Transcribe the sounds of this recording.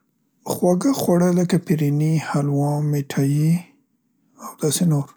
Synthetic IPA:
xwaɡaxwaɽələkapiɾinihalwɑmeʈʰaji | awd̪ɑsenoɾ

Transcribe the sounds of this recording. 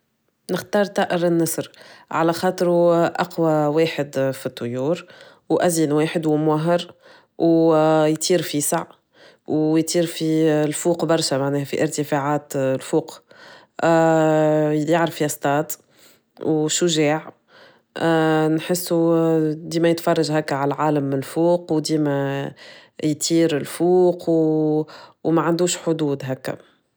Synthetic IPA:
nɪxt̪ɑːɾˤt̪ˤɑːʔɪɾɪnːɑsɾʕalæxɑːt̪ˤɾuʔɑqwaweːħɪd̪fit̪ˤːʊjuːɾ | wʔæzinweːħɪd̪wmwaɦɑɾ | wjt̪ˤʰiːɾfisaʕ | wjt̪ˤiːɾfilfuːqbɑɾˤʃɛmaʕnɛːhæfḭʔɪɾt̪əfaʕaːt̪lfuːq | jaʕɾəfiæst̪ˤɑːd̪ | wʃʊʒɛːʕ | nħɪsːud̪iːmæjət̪fɑrˤːɑʒɦækːæʕalʕaːləmːnlfuːqwd̪iːmæ | jt̪ʰiːɾɪlfuːqw | wmæʕand̪uːʃħʊd̪uːd̪ɦækːæ̰

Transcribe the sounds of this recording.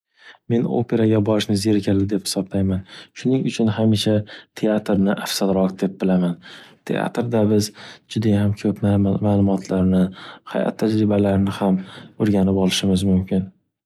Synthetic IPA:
me̞no̰pʰe̞ɾaɡʲabɒɾɪʃnɪzeɾkʲʰalɪd̪e̞phɪ̥sɒblajmanʃʊnɪŋʊt͡ʃʰʊnɦamiʃat̪ʰe̞at̪ɾnɪʔafsad̪ɾɒqd̪e̞p̚bɪlamant̪ʰe̞̰a̰t̪ɾd̪abɪzd͡ʒʊd̪ahamkʲʰɵpʰmamaːlˠʊmɒt̪ʰlaɾnɪha̰ja̰t̪ʰːad͡ʒɾɪbalaɾɪnɪhamoɾɡʲanɪpɒlˠɪʃɪmɪzmʊmkʲʰɪn

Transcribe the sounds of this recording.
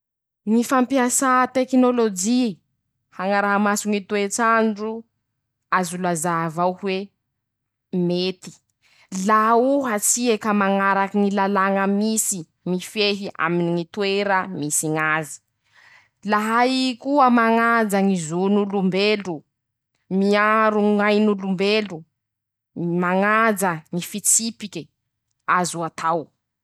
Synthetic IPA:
ŋifampiasat̪eknolod͡ʒi | haŋaɾaɦamasuŋit̪wet͡saɳɖ͡ʐu | azulazavawhwe | met̪i̥ | lauɦat͡siekəmaŋaɾakiŋilalaŋəmisi | ŋifeɦiʔa̰miniŋit̪weɾəmisiŋazi̥ | laɦaikuəmaŋad͡zaŋizunulumbelu | miaɾuŋajnulumbelu | maŋad͡zəŋifit͡sipikɛ | azuat̪ʰaw

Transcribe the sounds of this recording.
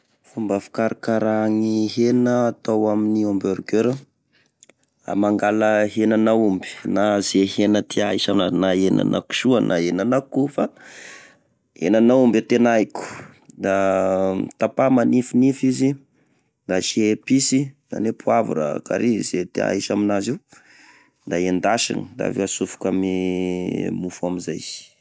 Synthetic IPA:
fumbafi̥kaɾʔakaɾaŋiɦenəːt̪awaminiombøɾɡøɾə | a̰maŋɡaləɦenanaumbi̥naz̥eɦenət̪ʰiaisananaena̰nʔa̰ku̥ʃuanʔa̰enanakufa | hḛnanaumbat̪enaikʲu̥ | d̪a | t̪apamanifunifizi | d̪at͡ʃiepisiza̰nepuavṵɾa̰ka̰ɾizet̪ea̰isaminaziw̪ | d̪aend̪aʃḭnid̪a̰vḛasufu̥kami | mufuamizaj̥

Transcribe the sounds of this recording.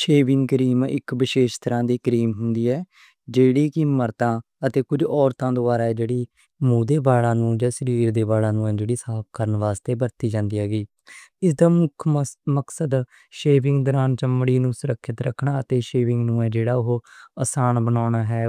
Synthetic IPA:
ʃeːʋɪ̃ŋɡkəɾiːmɪ̰kʋɪʃeːʃt̪əɾãːd̪iːkəɾiːmɦʊnd̪iːɛː | d͡ʒeːɽiːkiməɾt̪ãː | ət̪eːkʊd͡ʒɔːɾt̪ãːd̪oaːɾaːɛːd͡ʒeːɽiː | mũːd̪eːbaːɽãːnũːd͡ʒaːsəɾiːɾd̪eːbaːɽãːnũːɛ̃ːd͡ʒeːɽiːsaːp̚ʰkəɾənʋaːst̪eːbəɾt̪iːd͡ʒãːnd̪iːɦaːɡiː | ɪsd̪aːmʊkʰməksəd̪ | ʃeːʋɪ̃ŋɡd̪ɔːɾaːnt͡ʃəmːɽiːnũːsʊɾəkʰːɪt̪ɾə̰kʰɳaːət̪eːʃeːʋɪ̃ŋɡnũːɛːd͡ʒeːɽaːʊɦoːəsaːnbənaːɳaːɦɛː

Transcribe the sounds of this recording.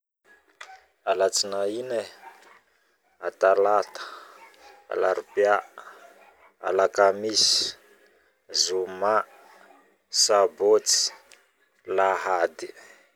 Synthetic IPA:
alat͡sinaine | at̪alat̪ə̥ | a̰laɾipja | a̰lakamisi̥ | zuma | sabot͡si̥ | laɦad̪i̥

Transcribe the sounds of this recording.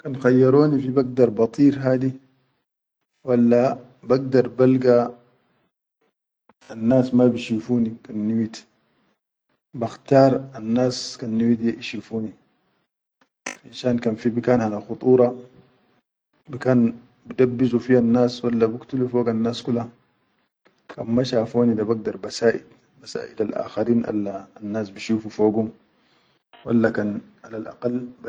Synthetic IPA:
kanxajːɑɾoːnifibaɡ̚d̪ɑɾˤbɑt̪ˤiːɾɦaːd̪i | walːa | baɡ̚d̪ɑɾˤbalɡa | anːaːsmabiʃifuːnikanːiwit̪ | baxt̪ɑːɾˤanːaːskanːiwit̪ʔiʃifuːni | ʔinʃaːnkanfibikaːnhanaxut̪ˤuːɾˤɑ | bikaːn | bidabːizufihanːaːswalːabukt̪ulufoːɡanːaːskula | kanmaʃafoːnidabaɡ̚d̪ɑɾˤbasaːʔḭd | basa̰ːʔḭdalʔa̰ːxaɾiːnʔa̰lːaːnːaːsbiʃuːfufoːɡum | wa̰lːakan | ʔalalʔa̰qalː

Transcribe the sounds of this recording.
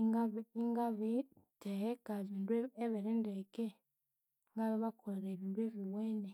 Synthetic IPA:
iŋɡaβiŋɡaβitehekazindweeβeɾendeke | ŋɡaβiβakoleɾeβindweβiweːne

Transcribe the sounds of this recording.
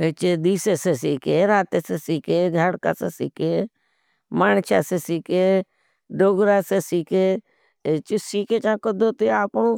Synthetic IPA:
et͡ʃed̪iːseːseːsiːkeːɾaːt̪eːseːsiːkeːd͡ʒʱaːɽka̰ːseːsiːkeː | maːnt͡ʃʰa̰ːseːsiːkeː | ɖoːɡɾaːseːsiːkeː | t͡ʃɪsiːkeːt͡ʃãːkəd̪ʱoːt̪eːaːkːɳõː

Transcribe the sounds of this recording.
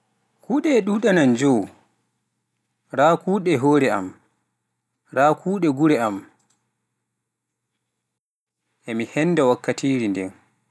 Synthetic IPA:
kuːɗɛːɗuːɗanand͡ʒow | ɾaːkuːɗɛɦoːɾɛa̰m | ɾaːkuːɗɛɡuɾɛam | ʔɛmihɛnːdɛwakːatiːɾindɛn

